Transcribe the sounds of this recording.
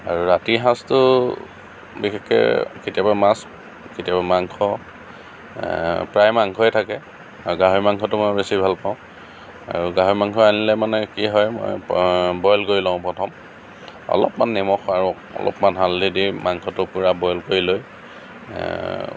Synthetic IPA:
aɹuɹatiɦãstʊ | bixɛkːɛ̰ketiabamas | ketijabamaŋkʰɔ | pɹajmaŋkʰɔɛtʰakɛ | aɹuɡaɦoimaŋkʰɔtʊmɔjbesibʱalpaʊ̃ | a̰ɹuɡaɦoimaŋkʰɔanilɛmanɛkiɦɔjmɔ̰jbɔjlɡoɹilɔ̃ʊ̃pɔtʰɔm | ɔ̰lɔ̰pmanːɛmɔxaɹu | ɔ̰lɔ̰pmanɦaldidimaŋkʰɔtʊpʊɹabɔjlkoɹiloj

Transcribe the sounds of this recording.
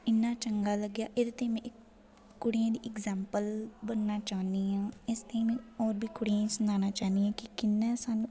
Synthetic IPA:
ɪnːaːt͡ʃəŋɡaːləɡjaːʔɪd̪t̪eːmɛ̃ːʔɪkː | ʊɽɪjãːd̪iːʔɪkzɛːmpəlbənːaːt͡ʃaːnd̪iːãːɪst̪emẽːɔːɾbʱiːkʊɽijãsənaːnaːt͡ʃaːnd̪iɦãːkɪkɪnːɛːsaːnũː

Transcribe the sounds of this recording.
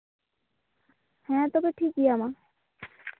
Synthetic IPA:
hɛ̃t̪obeʈʰik̚diama

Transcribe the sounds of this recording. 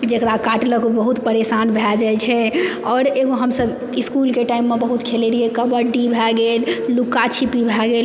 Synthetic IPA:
d͡ʒekɾakaʈləkobəɦut̪pəɾesanbʱɛd͡ʒajt͡ʃʰɛɔːɾeɡoɦəmsəb | iskulkeʈaimːebəɦut̪kʰeleɾiekəbəɖibʱɛɡellukat͡ʃʰipibʱɛɡel

